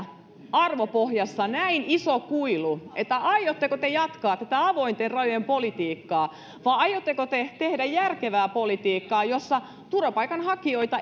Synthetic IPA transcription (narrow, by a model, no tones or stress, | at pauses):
ɑrʋopohjɑsːɑnæinisokuiluʔet̪ːæʔɑijot̪ːekot̪ejɑt̪kɑːt̪æt̪æɑʋoint̪errɑjojempolit̪iːkːɑː | ʋɑːɑjot̪ːekot̪et̪ehdæjjærkeʋæːpolit̪iːkːɑːjosːɑ | t̪urʋɑpɑikɑnhɑkioit̪ɑ